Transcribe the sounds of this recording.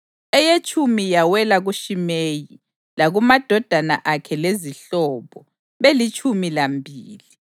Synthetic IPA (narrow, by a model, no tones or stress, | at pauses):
ɛjet͡ʃʰʼumijawɛlaɣuʃimeji | laɣumad̥ʱɔd̥ʱana̰ʔakʰɛleziɬɔːβɔ | βelit͡ʃʰʼumilambʱiːli